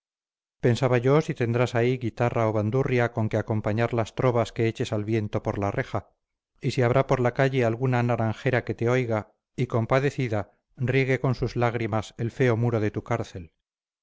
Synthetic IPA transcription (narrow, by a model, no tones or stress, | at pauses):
pe̞nsaβaʝo̞sit̪e̞nd̪ɾasaiɣit̪araoβand̪urjako̞ŋkeako̞mpaɲaɾlast̪ɾo̞βaske̞et͡ʃe̞salβje̞nt̪o̞po̞ɾlarʔe̞xa | isiaβ̞ɾapo̞ɾlakaʝe̞alɣunanaɾaŋxe̞ɾake̞t̪e̞o̞jɣa | iko̞mpaðe̞θiða | riɣe̞ko̞nsuzlaɣɾimase̞lfe̞o̞muɾo̞ðe̞t̪ukaɾθe̞l